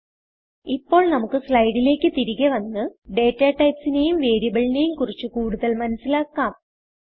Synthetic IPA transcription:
ipːo̞ːɭnɐmukːɨsɭɐjɽile̞ːkːɨt̪iɾiɣɐʋɐnːɨɖe̞ːtːaːʈːɐjpsinejumʋeːɾijɐbɐɭine̞jumkurit͡ɕːukuːɽuðɐlmɐnɐsilaːkːaːm

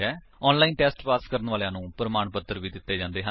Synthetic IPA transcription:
ɛː | ɔːnlaːiːnʈɛːsʈpaːskəɾənʋaːlejãːnũːpɾəmaːɳpəd̪əɾʋiːd̪ɪt̪ːeːd͡ʒãːnd̪eːɦə

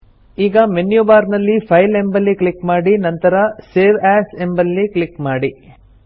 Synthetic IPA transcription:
iːɡɐmenjubaːɾnɐlːipʰɐjle̞mbɐlːikɭikmaːɽinɐnt̪ɐɾɐseːʋæːse̞mbɐlːikɭikmaːɽi

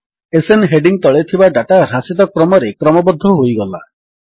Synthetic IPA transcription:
esenɦeɖiŋt̪ɔɭet̪ʰibaɖaʈaɾasit̪ɔkɾɔmɔɾekɾɔmɔbɔd̪ʱːɔɦojɡɔla̰

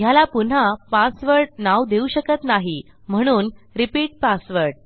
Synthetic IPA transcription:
ɦjalapun̤apasʋəɾʈ̚nawd̪euɕəkət̪naɦi | m̤əɽ̃uːnɾipiːʈ̚pasʋəɾʈ̚

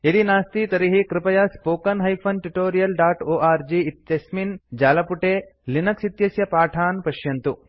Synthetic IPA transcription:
ed̪inaːst̪it̪ɐɾiɦikɾɪpɐjaːspoːkɐnɦɐjpʰɐnʈuʈoːɾijɐlɖaːʈoːʔaːɾd͡ʒiit̪jɐsmind͡ʒaːlɐpuʈeːlinɐksit̪jɐsjɐpaːʈʰaːnpɐʃjɐnt̪u

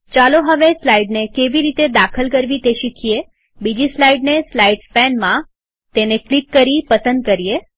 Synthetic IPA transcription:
t͡ʃaloɦəʋeslaiɖnekeʋiɾit̪ed̪akʰəlkəɾʋit̪eʃikʰije | bid͡ʒislaiɖneslaiɖspɛnmã | t̪eneklikːəɾipəsənd̪̚kəɾije

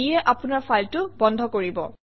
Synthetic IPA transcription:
ɛʔapʊnaɹfʰajltʊbɔndʱɔkoɹibɔ̰

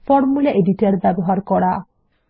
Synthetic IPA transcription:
fɔɾmulaʔeɖiʈaɾbɛbɔɦaɾkɔɽa

